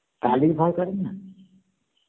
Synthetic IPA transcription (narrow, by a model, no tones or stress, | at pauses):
kaliɾbʱɔjkɔɾenːa